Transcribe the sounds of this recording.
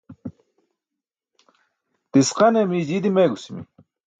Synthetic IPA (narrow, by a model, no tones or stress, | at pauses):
t̪isqɑnemiːzid̪imeːɡusimḭ